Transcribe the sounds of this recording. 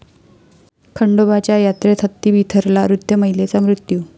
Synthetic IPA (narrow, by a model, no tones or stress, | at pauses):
kʰəɳɖobat͡ɕjajat̪ɾet̪ʰət̪ːiːbʱit̪ʰəɾlaɾud̪ʱjəməjlet͡samɾut̪juː